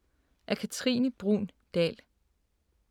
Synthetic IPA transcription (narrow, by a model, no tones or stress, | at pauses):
ʔæɐkʰæt͡sʰʁḭːnəb̥ʁṵːn | d̥ɛ̰ːl